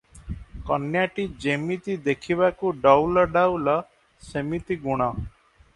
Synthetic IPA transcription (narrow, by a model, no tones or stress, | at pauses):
kɔnjaʈid͡ʒemit̪id̪ekʰiβakuɖɔwlɔɖawlɔ | semit̪iɡuɽ̃ɔ